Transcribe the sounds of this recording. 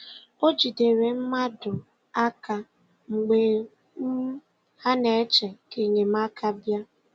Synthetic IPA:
o˦d͡ʒi˨de˨ɾe˨m̩˦ma˦dʊ˨ | a˦ka˨ | ŋ͡m̩˨ɡ͡be˨ | m̩˦ | ha˦ne˨e˦t͡ʃe˨ke˨ɲe˨m˦a˦kʰa˦bja˦

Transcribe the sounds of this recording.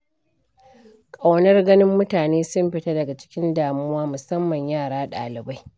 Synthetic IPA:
kʼa˨wnɐ˦rɡɐ˦nɪ˦mːʊ˦taː˨neː˦sʊ˦mɸɪ˨ta˦dɐ˨ɡa˨t͡ʃɪ̥˦kʲɪ˦ndaː˨mʊ˦waː˦mʊ˨sɐ˦mːɐ˨ɲjaː˦˨ɽaː˦ɗa̰ː˨lɪ˨ba˦j

